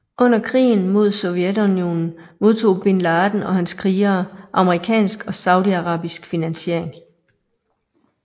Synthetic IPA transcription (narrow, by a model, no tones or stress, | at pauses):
ʔɔ̽n̰ɐkʰʁḭːn̩mo̝ð̞̰ˠsɔ̽ʊjed̥unjo̝̰ːnn̩mo̝ð̞ˠt͡sʰo̝̰ːb̥e̝nlɑːd̥n̩ɒ̽hænskʰʁiːɐʔɑ̈məʁikʰɛ̰ːnsɡ̥ɒ̽sɑ̈ʊd̥iɑ̈ʁɑ̰̈ːb̥isɡ̥finænɕe̝ɐ̰e̝ŋ